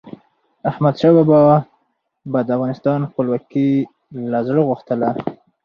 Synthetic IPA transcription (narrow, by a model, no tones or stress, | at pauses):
ahmad̪ʃɑbɑbɑ | bad̪əafvɣɑnɪst̪ɑnxpəlwɑki | lazɽəɣuxt̪əla